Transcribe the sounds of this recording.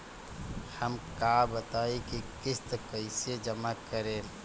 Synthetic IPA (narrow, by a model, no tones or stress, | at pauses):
həmkabət̪aːikikɪst̪əkːəɪsed͡ʒəmakəɾẽː